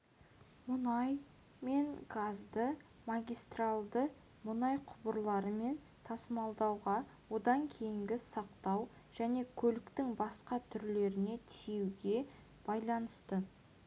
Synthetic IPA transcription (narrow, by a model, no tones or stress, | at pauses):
mʊnɑj | me̞ŋɡazd̪ə | maɡʲijst̪ralˠd̪ə | mʊnɑjqʰʊbəɾlˠɑɾəme̞n | t̪ʰɑsəmɑlˠd̪ɑwʁɑ | wo̞d̪ɑŋkʲʰe̞jɪŋɡʲɪsɑqt̪ɑw | ʒ̥æne̞kʲʰɵlɪkt̪ɪŋbɑsqɑt̪ʰʏɾle̞ɾɪne̞t̪ʰijewɡʲe̞ | b̥ɑjlˠɑnəst̪ə